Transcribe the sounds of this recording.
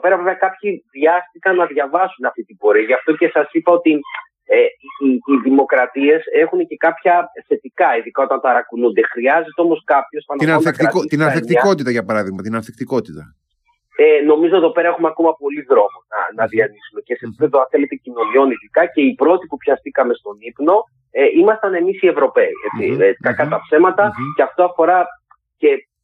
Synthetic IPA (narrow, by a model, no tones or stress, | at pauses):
ope̞ɾɐveveɐkɐpçiðʝɐst̪ikɐnɐðʝɐvɐsunɐft̪it̪ibo̞ɾiɐʝɐft̪o̞ce̞sɐsipɐo̞t̪i | eiːðimo̞kɾɐt̪ie̞se̞xunece̞kɐpçɐθe̞t̪ikɐiðikɐo̞t̪ɐnt̪ɐɾɐkunund̪e̞xɾiɐze̞t̪eo̞mo̞skɐpço̞sɐnɐnɐekɾɐot̪inɐnθekt̪iko̞t̪it̪ɐʝɐpɐɾɐðiɣmɐt̪inɐnθekt̪iko̞t̪it̪ɐ̰ | eno̞mizoeðo̞pe̞ɾɐe̞xumeɐko̞mɐpo̞liðɾo̞monɐ̰nɐðiɐnisume̞ce̞sepipeðoɐnθe̞le̞t̪e̞cino̞nio̞niðikɐce̞ipɾo̞t̪ipupçɐst̪ikɐme̞st̪o̞nipno̞ | eʔimɐst̪ɐne̞misie̞vɾo̞pe̞ḭḛt͡sḭekɐkɐt̪ɐpse̞mɐt̪ɐceɐft̪o̞ɐfo̞ɾɐ | ce̞